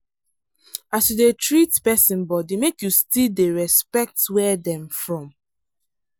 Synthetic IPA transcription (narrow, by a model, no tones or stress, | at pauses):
asjudetɹitpɛsĩnbɔdimekjustildeɹɛspɛk̚twɛdɛ̃mfɹɔ̃m